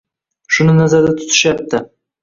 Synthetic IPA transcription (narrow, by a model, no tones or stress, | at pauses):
ʃʊnɪnazaɾd̪at̪ʰʊ̥t̪ʰɪ̥ʃap̚t̪ːɪ